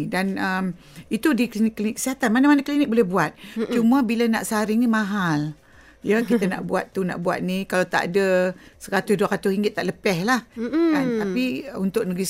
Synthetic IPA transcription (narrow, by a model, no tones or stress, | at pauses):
danəm | it̪udiklinɪkːəlinɪkːə̥siɦat̪anmanamanakəlinɪk̚bolɛhbuat̪̚t͡ʃumabilənaʔsaɾɪŋnimaɦal | jəkit̪əna̰ʔbuat̪ːuna̰ʔbua̰t̪̚nikalawt̪a̰ʔa̰dəsəkat̪ʊsduakat̪ʊsiŋɡɪt̪ːaʔləpɛhlahɡant̪apiunt̪ʊk̚nəɡɾis